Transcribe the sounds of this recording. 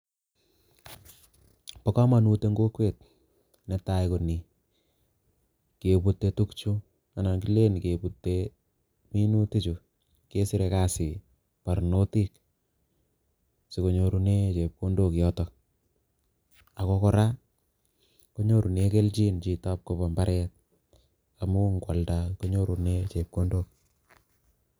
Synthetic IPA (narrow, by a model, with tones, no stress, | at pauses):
pɔ˦ka˦ma˨nu˨te˦ŋɡo˦kwe˦t̚ | nɛ˨ta˨jko˨ni | ke˨pu˦tːe˧tu˦kt͡ʃu˦ | a˨na˨ki˦le˦n˨ke˨pu˨tːe | mi˦nu˦ti˦t͡ʃu˨ | ke˦sɪ˦ɾe˨ka˦sɪ˨ | pa˨ɾno˦ti˦k̚ | si˨ko˨ɲo˨ɾu˦ne˦t͡ʃe˨p̚ko˦ndo˦˨kjɔtɔ | a˨kɔ˦kɔ˦ɾa˦ | ko˦ɲo˦ɾu˨neke˦lt͡ʃi˦nt͡ʃi˨ta˦p̚ko˨pɔ˨mba˦ɾʔɛt̚ | a˨mu˦ŋkwa˨ldako˦ɲo˦ɾu˨net͡ʃe˨p̚ko˦ndok̚